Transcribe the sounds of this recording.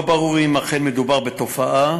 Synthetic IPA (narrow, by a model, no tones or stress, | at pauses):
baʁuʁimaχenmed̪ubaʁbet̪o̞faʔa